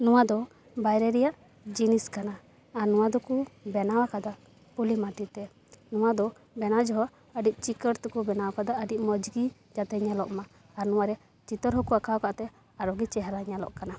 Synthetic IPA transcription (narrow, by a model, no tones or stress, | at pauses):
nɔwad̪ɔ | bajɾɛɾɛjaʔ | d͡ʒiniskanaː | ɾnɔw̃ad̪ɔkubɛnawakad̪a | pulimat̪it̪ɛ | nɔwad̪ɔ | bɛnad͡ʒɔɦɔ | əɖic̚t͡ʃikəɾt̪ukubɛnawakad̪aʔəɖiʔmɔd͡ʒɡi | d͡ʒat̪ɛɲalɔʔmaː | ɾnɔw̃aɾɛ | t͡ʃit̪əɾɦɔkuakawkaʔt̪ɛ | aɾɔɡit͡ʃɛɦɾaɲalɔ̰ʔkana